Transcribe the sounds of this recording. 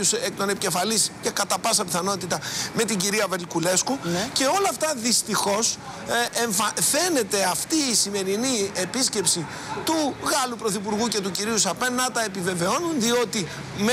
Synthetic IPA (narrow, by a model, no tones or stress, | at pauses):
usekt̪o̞ne̞pice̞fɐlisce̞kɐt̪ɐpɐsɐpiθɐno̞t̪it̪ɐme̞t̪iɲɟiɾiɐvelkule̞skunce̞o̞lɐːft̪ɐðist̪ixo̞s | eɱfɐθe̞ne̞t̪e̞ɐft̪iːsime̞ɾinie̞pisce̞psi | t̪uɣɐlupɾo̞θip̬uɾɣuce̞t̪uciɾiusɐpennɐt̪ɐe̞pive̞ve̞o̞nunðio̞t̪i | m